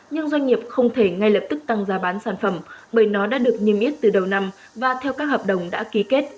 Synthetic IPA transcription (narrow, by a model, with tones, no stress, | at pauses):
ɲɨ˧ŋzwa˧jŋ̟ŋi˨˩əp̚xə˧wŋ͡mt̪ʰe˧˩ŋa˧jlə˨˩p̚t̪ɨ˦˥k̚t̪a˧ŋzaː˨˧˦ɓaː˨˦nsaː˧˩nfə˧˩mɓəː˧˩jnɔ˨˦ɗa̰ː˧˥ɗɨ˨˩ək̚ɲi˧əmʔi˦˥ət̚t̪ɨ˨˩ɗə˨˩wna˧m | vaː˨˩t̪ʰɛ˧wkaː˦˥k̚həː˨˩p̚ɗə˨˩wŋ͡mɗa̰ː˧˥ki˨˦ke˦˥t̚